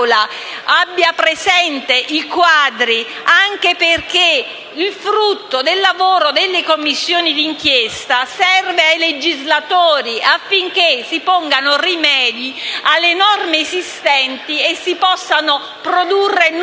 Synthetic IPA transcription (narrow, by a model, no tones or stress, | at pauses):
laabːjapɾesɛnt̪eʔikwaːd̪ɾi | aŋk̟eperke | ilfɾut̪ːod̪elːavoːɾod̪elːekomːisːjoːnid̪iŋkjest̪asɛrveajled͡ʒizlat̪oːɾiafːiŋk̟esipɔŋɡanorimɛːd̪ialːenɔrmeːsist̪ɛnt̪iesːipɔsːano | pɾod̪urːen